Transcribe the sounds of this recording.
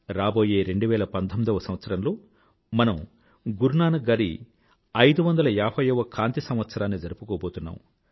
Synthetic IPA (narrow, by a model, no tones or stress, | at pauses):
ɾaːbo̞ːje̞ːɾe̞ɳɖuʋɛːlɐpɐnt̪ʰomːid̪ɐʋɐsɐmʋɐt̪sɐɾɐmlo̞ː | mɐnɐm | ɡuɾɳaːnɐɡaːɾi | ɐjd̪uʋɐnd̪ɐlɐaːpʰɐjɐʋɐkʰaːnt̪isɐmʋɐt̪sɐɾaːnːid͡ʒɐɾupukoːboːt̪unːa̰ːm